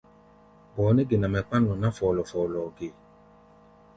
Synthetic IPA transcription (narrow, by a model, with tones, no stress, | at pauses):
bɔː˨˦ne˦ɡe˨nã˨mɛ˨k͡pã˦nlɔ̃˨nã˦fɔ˨lɔ˨fɔ˨lɔ˨ɡe˨